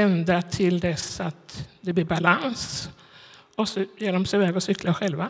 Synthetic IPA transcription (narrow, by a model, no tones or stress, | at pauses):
ɛnd̪at̪ʰɪld̪ɛsat̪d̪ɛblɪɾbalans | ɔsɔjeːɖɔmsɛɪvɛːɡɔsʏklaɧɛlva